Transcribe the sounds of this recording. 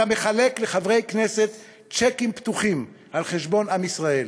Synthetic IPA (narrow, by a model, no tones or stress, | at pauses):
ame̞χalekleχavʁejkneset̪ | t͡ʃekimpt̪uχim | alχeʃbo̞namisʁael